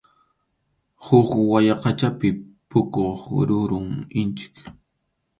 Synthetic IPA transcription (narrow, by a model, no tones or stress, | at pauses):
hʊkwajɑqɑt͡ʃapɪpʊkoχɾʊɾʊŋɪnt͡ʃɪ̥k